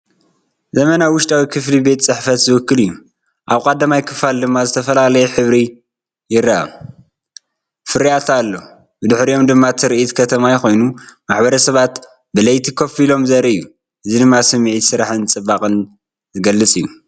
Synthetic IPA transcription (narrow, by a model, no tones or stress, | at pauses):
zɐmɐnawʊʃt̪ʼawikʰɨflibe̞t̪t͡sʼɨħfɐt̪zɨwɨkːɨlɨjːu | ʔaβkʼad̪ːɐmajkʰɨfald̪ɨmːazɨt̪ʰɐfɐlalɐjɛħɨβɾi | jɪɾːaa̰ | fɨɾiat̪ʰalːo̞ | bɨd̪ɨħɾio̞md̪ɨmːat̪ʰɨɾɨʔit̪kʰɐt̪ʰɐmajxo̞jnumaħbɐɾɐsɐβat̪ | bɨlɐjt̪ʰikʰofilo̞mzɐɾiɨjːu | ʔɨzid̪ɨmːasɨmʕisɨɾaħɨnt͡sʼɨbakʼɨn | zɨɡɐlːɨt͡sʼijːu